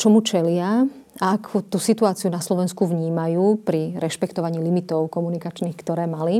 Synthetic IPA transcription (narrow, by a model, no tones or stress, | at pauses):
t͡ʃɔmut͡ʃɛlɪa | aakʰut̪usit̪uaːt͡siunaslɔʋɛnskuʋɲiːmajuːpɾiɾɛʃpɛkt̪ɔʋaɲiːlimit̪ɔʊkɔmunikat͡ʃniːxkt̪ɔɾɛːmali